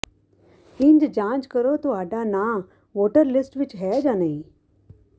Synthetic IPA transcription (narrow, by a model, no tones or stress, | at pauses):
iɲd͡ʑd͡ʑãt͡ʃkəɾot̪oaɖana | ʋoʈəɾlisʈʋit͡ɕɦɛd͡ʑanaĩ